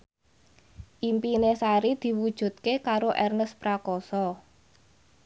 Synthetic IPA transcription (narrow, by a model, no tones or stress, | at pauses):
ʔimpinesaɾid̪̥i̤wud̥ʒ̥ṳt̪̚kekaɾoʔɛrnəspɾakɔsɔ